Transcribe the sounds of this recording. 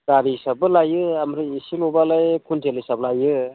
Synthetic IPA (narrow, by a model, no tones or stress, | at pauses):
ɡaɾisabɯlajɯamɾɯisilɔbalajkʰuntʰelisablajɯ